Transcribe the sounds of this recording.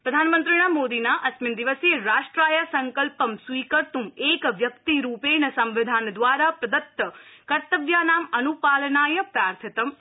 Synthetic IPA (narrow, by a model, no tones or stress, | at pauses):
pɾɐd̪ʱaːnmə̃nt̪ɾiɳ̃amoːd̪inaʔɐsmind̪iʋəsjeɾaːʂʈɾaːjəsɐŋkəlpəmsʋiːkəɾt̪umeːkʋjɐkt̪iɾuːpenɐsɐmʋɪd̪ʱaːnd̪ʋaːɾapɾɐd̪ət̪ːəkɐɾt̪əʋjaːnaːmɐnupaːlnaːjəpɾaːɾt̪ʰit̪əm